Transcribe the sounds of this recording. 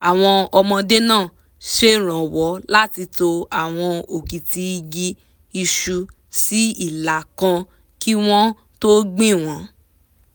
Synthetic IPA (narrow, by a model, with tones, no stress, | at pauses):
a˨w̃ɔ̃˧ɔ˧mɔ̃˧de˦nãː˦˨ | ʃe˦˨ɾ̃ã˨wɔ˨˦la˦ti˧to˧a˨w̃ɔ̃˧o˨ki˨ti˧i˧ɡi˧ | i˧ʃu˧ | si˦i˦˨la˨kã˧ | ki˦w̃ɔ̃˦ | to˦ɡ͡bĩ˦˨w̃ɔ̃˨˦